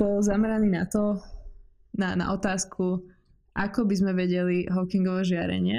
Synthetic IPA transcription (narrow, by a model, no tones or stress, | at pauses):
bɔlzamɛɾaniːnat̪ɔ | nana̰ʔɔt̪aːskʰu | ʔakɔbizmɛʋɛɟɛliɦɔkiŋɡɔʋɛːʒɪaɾɛ̰ɲɪɛ